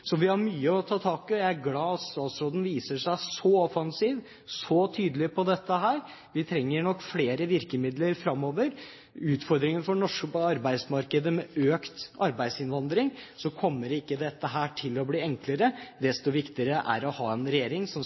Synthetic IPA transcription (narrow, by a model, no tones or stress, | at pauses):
sɔʋɪhɑɾmyːəɔt̪ʰɑːt̪ʰɑːkɪɔjæɪæɾɡlɑːɑt̪st̪ɑːt̪sɾoːd̪n̩ʋiːsəʂæɪsɔɔfɑnsiːʋ | sɔt̪ʰyːd̪əlɪpʰɔd̪ɛt̪ːəɦæːɾ | ʋɪt̪ʰɾɛŋːəɳɔkːfleːɾəʋɪɾkəmɪd̪ləɾfɾɑmːoːʋəɾ | ʉːt̪fɔɾd̪ɾɪŋənfɔɳɔʂkəpɔɑɾbæɪsmɑɾkəd̪əmɛøːkt̪ɑɾbæɪd̪sɪnʋɑnd̪ɾɪŋsɔkʰɔmːəɾɪkːəd̪ɛt̪ːəɦæːʈʰɪlːɔbliːɛŋkləɾəd̪ɛst̪ɔʋɪkt̪ɪəɾəʔæ̰ɾɔhɑːɛnɾɛjeːɾɪŋsɔ